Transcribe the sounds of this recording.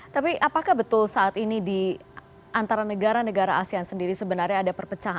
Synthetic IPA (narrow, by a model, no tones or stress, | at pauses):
t̪apiʔapakahbət̪ʊlsaʔat̪inidi | ʔant̪aɾanəɡaɾanəɡaɾaasiansəndiɾisəbənarɲaːdapərpət͡ʃaɦa